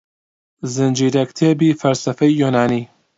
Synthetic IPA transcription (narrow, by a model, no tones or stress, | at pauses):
zɨnd͡ʒiːɾɐkt̪ʰeːbiːfɐlsɐfɐjːunaːniː